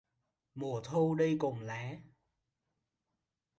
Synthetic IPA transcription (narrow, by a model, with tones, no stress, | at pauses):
mu˨˩ət̪ʰo˧wɗə˧jkʊ˨˩ŋ͡mlaː˨˦